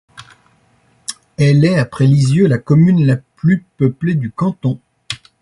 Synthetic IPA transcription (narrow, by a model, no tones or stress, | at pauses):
ɛlɛapχɛlizjølakɔmynlaplypəpled̪ykɑ̃t̪ɔ̃